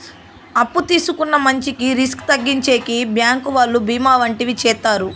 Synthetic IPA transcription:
ɐpːut̪iːsukunːɐmɐɲt͡ʃikiɾiskt̪ɐɡːiɲt͡ʃeːkibjaːŋkuʋaːlːubiːmaːʋɐɳʈiʋit͡ʃɛːt̪ːaːɾu

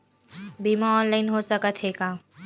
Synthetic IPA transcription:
biːmaɔːnlaːɪnɦosɐkət̪ɦeːɡaː

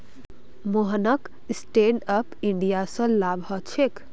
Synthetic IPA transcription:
moɦənək | sʈeɳɖəpiɳɖijasə̃labɦət͡ʃʰek

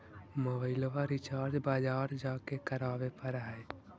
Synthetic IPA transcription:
mobəɪlʋaɾɪt͡ʃaːɾd͡ʒbaːd͡ʒaːɾd͡ʒaːkekəɾaːʋepəɾɦɛ

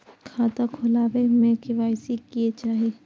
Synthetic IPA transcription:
kʰaːt̪akʰʊlaːʋemẽkɪʋaːɪsikiet͡ʃaːɦie

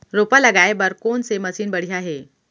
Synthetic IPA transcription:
ɾopələɡajbəɾkonseməsiːnbəɽ̤iaɦe

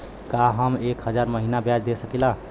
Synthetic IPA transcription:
kaɦəmekɦəd͡ʒaɾməɦinabjad͡ʒd̪esəkila

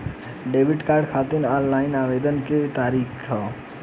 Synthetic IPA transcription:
ɖebʱiʈkaɾɖkʰat̪inɔllaɪnabed̪ənket̪aɾikʰt͡ʃʰʌ

